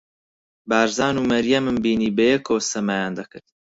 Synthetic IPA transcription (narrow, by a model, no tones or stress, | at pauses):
baːɾzaːnuːmɐɾjɐmɨmbiːniːbɐjɛkʰoːsɐmajaːnd̪ɐkɨɾt̪